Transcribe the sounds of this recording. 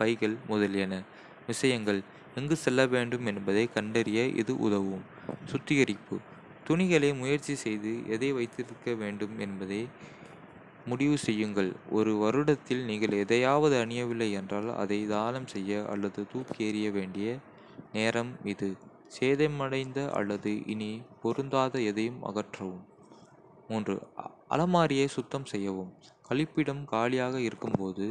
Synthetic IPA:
pɐɪɣɐɭmʊðɐljɐnɐ | ʋɪsɐjɐŋɡɐɭ | ɛŋɡɯsɛlːɐʋeːɳɖɯmɛnbɐðɐɪkɐɳɖɐɾɪjɐʔɪ̰ðɯʔʊ̰ðɐʋɯm | sʊt̪ːɪɣɐɾɪpːɯ̰ | t̪ʊnɪɣɐɭeːmʊjɐɾt͡ʃːisɛjðɯʔɛðɐɪʋɐɪt̪ːɪɾɯkːɐʋeːɳɖɯmɛnbɐðɐɪ | mʊɽɪʋɯsɛjːɯŋɡɐɭɔɾɯʋɐɾɯɽɐt̪ːɪlniːŋɡɐɭɛðɐjaːʋɐðɯɐɳɪjɐʋɪlːɐɪɛndraːlɐ̰ðɐɪd̪aːlɐmsɛjːɐʔɐ̰lːɐðɯt̪uːpkeːɾɪjɐʋeːɳɖɪjɐ | neːɾɐmɪðɯ | seːðɐɪmɐɽɐɪnd̪ɐʔɐ̰lːɐðɯʔɪ̰nipɔɾɯnd̪aːðɐɛðɐjɯmɐ̰ɣɐʈrɐʋɯmː | uːndrɯ̰ɐ̰lɐmaːɾɪjɐɪsʊt̪ːɐmsɛjːɐʋɯmkɐɭɪpːɪɽɐmkaːlɪjaːɣɐɪɾɯkːɯmpoːðɯ

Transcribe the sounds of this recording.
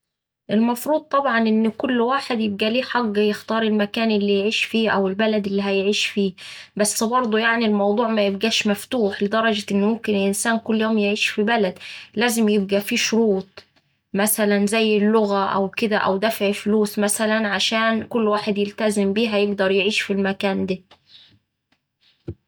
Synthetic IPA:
ʔɪlmɑfɾˤuːd̪̚t̪ˤːɑbʕɑnʔɪnːkʊlːwaːħed̪jɪb̚ɡæliːħɑɡːjɪxt̪ɑːɾˤɪlmækæːnʔɪlːijʕiːʃfiːʔæwɪlbælæd̪ɪlːiːɦæjʕiːʃfiːbæsːbɑɾˤd̪ˤujaʕnilmɑwd̪ˤuːʕmæjɪb̚ɡæːʃmæft̪uːħlɪd̪ɑɾˤɑd͡ʒæʔɪnːmʊmkɪnlʔɪnsæːnkʊlːjoːmjeʕiːʃfibælæd̪læːzɪmjeb̚ɡæfiːʃʊɾuːt̪̚ˤ | mæsælænzæjːɪlːʊɣæʔæ̰wkɪd̪æʔæ̰wd̪æfʕɪfluːsmæsælænʕaʃæːnkʊlːwaːħed̪jɪlt̪æzɪmbiːɦæjeɡd̪ɑɾˤjeʕiːʃfilmækæːnd̪æ

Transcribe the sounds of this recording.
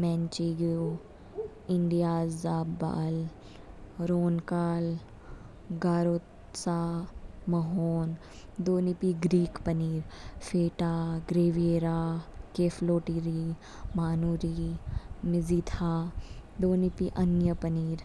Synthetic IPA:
mɛ̃ːnt͡ʃiɡo | ɪɳɖijaːaːbba̰ːl | ɾoːnkaːl | ɡaːɾoːt̪ | saːmɐɦoːn | d̪oːnipiɡɾiːkpəniːɾfʰeːʈaːɡɾeːʋieːɾaːkeːfloːʈiɾi | maːnuːɾi | mɪzit̪ʰaː | d̪oːnipiʔɐnjəpəniːɾ

